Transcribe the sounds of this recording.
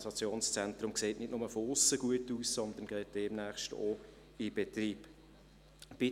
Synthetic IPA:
sɑt͡sjoːnst͡sɛntrʊmkseːtnɪdnʊməfoʊsːəɡ̥uətuːssɔnd̪ən̩ɡ̥ɛɪt̚d̥ɛmnæːχʃto̰ | ib̥ɛt̪riːb | b̥ɪ

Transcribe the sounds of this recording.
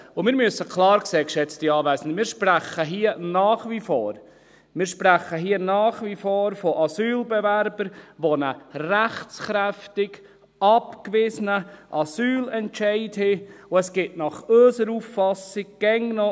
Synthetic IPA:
ʊmɪːɾmyəsəkʰlɑːɾkseːkʃɛt͡stiɑːvæɪsən̩dmɪːɾʃpræχəɦiːənɑːχʋifoːɾ | mɪːɾʃpɾæχəɦiːənɑːχʋifoːɾfɔʔɑsyːlbɛvæɾbəɾʋonəræχt͡sχɾæftɪɡ | ɑpkvɪsənəʔɑsyːlɛntt͡ʃɛɪthɪʊɛsɡ̥ɪtnɑχøːsəɾuːfːɑsɪɡ̚ɡ̥ɛŋnɔ

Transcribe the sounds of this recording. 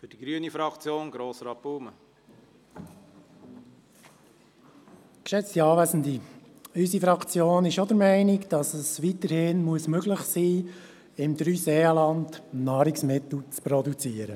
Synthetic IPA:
fʏd̥iɡɾyənifɾɑkt͡sjoːnɡɾoːsɾɑːb̥uːmə | kʃɛt͡stiɑːʋæzn̩di | ysifɾɑkt͡sjoːnɪʃod̪əɾmɛɪnɪkd̥ɑsəsʋit̪əɾhɪnmuəsmøɡlɪχsiː | ɪmd̥̪ɾyːseːɑlɑndnɑːɾiksmɪt̪l̩ˠt͡spɾɔdut͡siːəɾə

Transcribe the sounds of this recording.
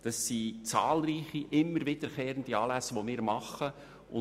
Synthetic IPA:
d̪̥ɑsːit͡sɑːlɾiːχiʔɪmːəɾvɪdəɾkeːɾənd̥iɑːlæsʋomɪːɾmɑχə | ʊ

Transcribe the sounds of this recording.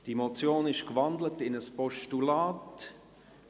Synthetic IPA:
d̥imot͡sjoːnɪʃkvɑndlətɪnəspɔʃtulaːt

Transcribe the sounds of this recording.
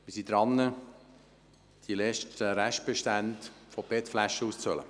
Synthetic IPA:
mɪsid̪ɾɑnːə | d̥ilɛʃtəɾæʃt̚b̥eʃtæntfob̥etflæʃəuːst͡sœlə̰

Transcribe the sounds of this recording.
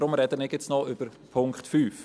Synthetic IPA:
ɾʊmɾɛdənɪkjɪt͡snɔʏb̥əɾpʰʊŋkχtfyːf

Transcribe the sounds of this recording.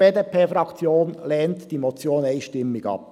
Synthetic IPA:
b̥eːdepʰeːfɾɑkt͡sjoːnlɛːntd̥iːmot͡sjoːneɪʃtɪmːɪɡɑ̰p̚

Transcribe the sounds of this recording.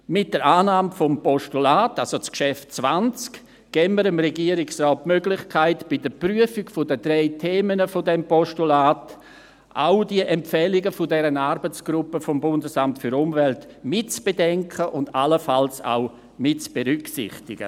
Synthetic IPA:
mɪt̚d̥əɾaːnaːmfɔmpɔʃtulaːtalsot͡skʃɛftt͡svant͡sk | ɡ̥ɛːməɾəmɾɛɡiəɾɪksrɔːt̚møɡlɪχkʰaɪtb̥ɪdəpryəfɪɡfodədɾeɪtʰeːmənəfodɛmpɔʃtulaːt | ʔa̰ʊdiəʔɛmpfɛlɪɡəfʊdɛɾənaɾbət͡sɡ̥ɾʊpːəfombʊndəsamtfʏɾʊmvɛlt | mɪtt͡sb̥edɛŋkʰəʔʊndaləfalsa̰ʊ | mɪtt͡sb̥eɾʏksɪ̰χtɪɡ̥ə̰

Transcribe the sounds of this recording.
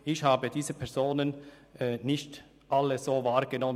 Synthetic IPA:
ʔɪçhaːbədiːzəpʰɛɐzoːnənɛnɪçt | ʔaləz̥oːvaːʁɡ̥ənɔmə

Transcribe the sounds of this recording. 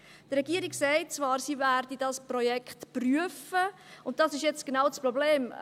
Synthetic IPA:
d̥ɾɛɡiəɾiɡsɛɪt̚t͡svɑːɾsiːværdidɑspɾɔjɛkχtpryəfəʊnt̚d̥ɑsɪʃjɛt͡sɡ̥enaʊt͡sprɔbleːm

